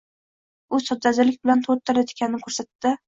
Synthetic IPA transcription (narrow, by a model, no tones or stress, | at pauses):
ʊsɒd͡ʒ̪azɪlɪk̚ʲbɪlant̪ʰot̪ʰːaɾajt̪e̥kʲanɪnɪkʲʰɵɾsat̪ːɪ